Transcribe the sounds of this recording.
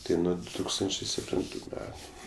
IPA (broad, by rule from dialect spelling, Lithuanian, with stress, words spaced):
ˈtɐɪ ˈnʊ dʊ ˈtuːkstɐnʲt͡ʃʲeː sʲɛpʲˈtʲɪntʊ ˈmʲæːtʊ